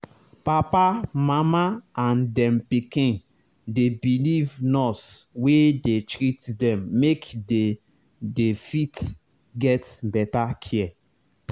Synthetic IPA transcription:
papamamaãndɛ̃mpikĩn | debilivnɔswedetɹitdɛ̃mːekde | defit | ɡɛtbɛtakʰiɛ

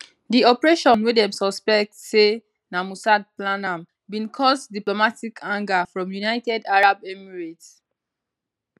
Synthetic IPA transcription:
diɔpɹeʃɔ̃nwedɛ̃msɔspɛk̚tse | namusad̚planãm | bĩnkʰɔsdiplomatikʰãŋɡafɹɔ̃mjunaɪtɛdaɹabɛmiɹit

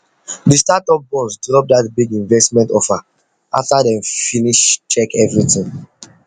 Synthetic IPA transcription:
distatɔp̚bɔlsdɹɔp̚datbiɡĩnvɛstmɛ̃ntɔfa | a̰ftadɛ̃mfiniʃt͡ʃɛkɛvɹitĩŋ

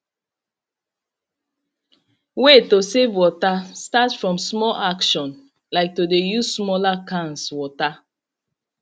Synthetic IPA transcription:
wetosevwɔtastatfɹɔ̃msmɔlakʃɔ̃n | laɪk̚todejuzsmɔlakãnswɔta

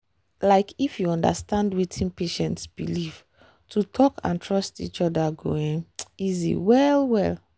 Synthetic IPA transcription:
laɪkifjuɔ̃nda̰stãndwetʰĩnpeʃɛ̃ntsb̥iliv̥ | tʰutʰɔkʰã̰ntʰɹɔstḭt͡ʃɔdaɡoĩŋizḭwɛlwɛl

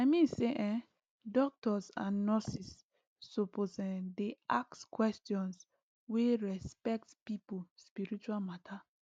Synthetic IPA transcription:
aɪmĩnseʔɛ̃ | dɔk̚tɔsãnːɔsisː | opozɛ̃deakskwɛstjɔ̃ns | weɹɛspɛk̚tpipuspiɹit͡ʃualmatʰa

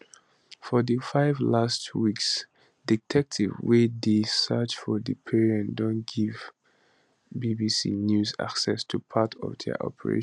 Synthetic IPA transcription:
fɔðəfaɪvlastwiks | ditʰɛk̚tʰivwedesɜt͡ʃfɔdəpʰiɹiɛ̃ndɔ̃nɡ̥iv | bibisḭnjuza̰ksɛstʰupʰatʰɔ̰vdɛ̰ʔɔ̰pʰəɹḛ̃

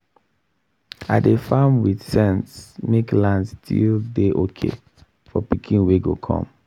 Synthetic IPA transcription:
a̰defamwiθsɛ̃ntsmeklãndstʰḭldeʔokʰḛ | fɔpikʰĩnweɡokʰɔ̰̃m

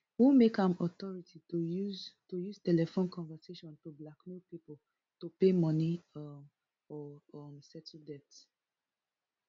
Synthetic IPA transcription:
humekãmɔtɔɹitʰi | tojuz̥tɛlɛfõnkɔ̃nvɛseʃɔ̃ntublaknud̚pipol | topemɔ̃ni | ɔɔmsɛtʰdɛt

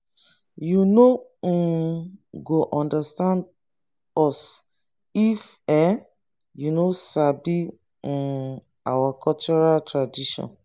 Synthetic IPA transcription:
juno | ɡoʔɔ̃ndastãnd | ɔs | ifɛ | junosabĩ | awakʰɔlt͡ʃɔɹaltɹadiʃɔ̰̃n

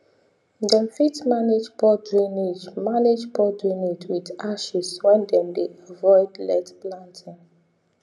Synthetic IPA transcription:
dɛ̃mfitmaned͡ʒpɔdɹĩnid͡ʒmaned͡ʒbɔdɹĩnetwidaʃiswɛ̃ndɛ̃mdeavɔɪdlɛtplãntʰĩŋ

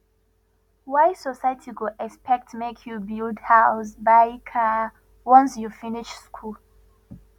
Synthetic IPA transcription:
waɪsɔsaɪtʰiɡoʔɛkspɛk̚tmekʰjubildhaʊs̬baɪkʰa | wɔ̃nsjufiniʃskʰul

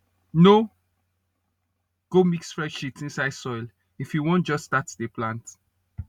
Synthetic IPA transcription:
no | ɡ̥omiksfɹɛ̃nʃipsĩnsaɪd̥sɔɪl | ifjuwɔ̃nt̚d͡ʒɔsːtatdeplãnt

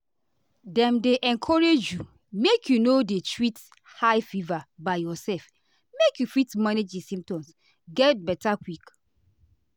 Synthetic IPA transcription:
dɛ̃mdeʔɛ̃nkʰɔɹed͡ʒju | mekʰjunodetʰɹit | haɪfivabaɪjɔsɛlf | mekjufitmaned͡ʒdisĩm̚tɔ̃ms | ɡɛt̚bɛtakwik

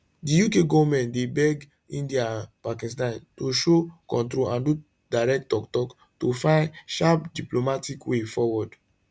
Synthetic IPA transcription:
dijukeɡɔvɔmɛ̃ntdebɛɡ | ĩndiapakĩstãntoʃokɔ̃ntɾoãndu | daɹɛk̚tɔktɔk | tofãɪ̃nʃapdiplomatikwefɔwɔd

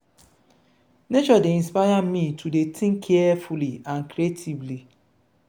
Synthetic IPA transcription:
net͡ʃɔdeĩnspajamitʰudetʰĩŋkʰiɛfuliãnkɾietʰivli

